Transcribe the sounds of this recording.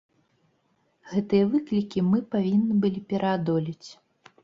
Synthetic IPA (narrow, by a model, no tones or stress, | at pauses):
ɣɛt̪ɨjɐvɨklʲikʲimɨpavʲinːɨbɨlʲipʲɛɾʔɐad̪ɔlʲit͡sʲ